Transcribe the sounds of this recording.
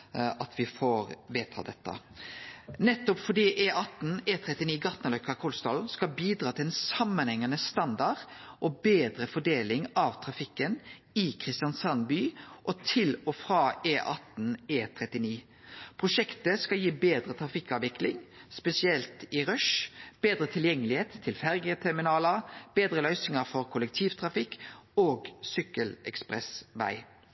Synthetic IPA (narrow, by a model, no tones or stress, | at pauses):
ʔɑt̪ʰʋɪfoːɾʋeːt̪ʰɑ̰ːd̪ɛt̪ːə̰ | nɛt̪ːɔpfɔɖiːʔeːʔɑt̪n̩eːt̪ʰɾɛt̪ɪniːɡɑt̪nəlœkːɑkʰʊlst̪ɑlskɑlbiːd̪ɾɑːt̪ʰɪlɛnsɑmːənhɛŋːənəst̪ɑnd̪ɑʁʔɔbeːd̪ɾəfɔɖeːlɪŋɑʋt̪ʰɾɑfɪkːən | ɪkʰɾɪst̪ɪjɑnsɑnbyːʔɔt̪ʰɪlɔfɾɑːeːʔɑt̪n̩eːt̪ʰʁɛt̪ɪniː | pʰʁʊʃɛkt̪əskɑljiːbeːd̪ɾət̪ʰʁɑfɪkːɑʋʋɪklɪŋspɛsɪɛlt̪ɪʁœʃb̥eːd̪ɾət̪ʰɪljɛŋːəlɪheːt̪ʰːɪlfæʁɡət̪ʰɛʁmɪnɑːləb̥eːd̪ɾəlœʏsɪŋəfɔɾkʰʊlɛk̚t̪ʰiːʋt̪ʰʁɑfɪkːoːɡsʏkːəlɛ̰kspʁɛsʋæ̰ɪ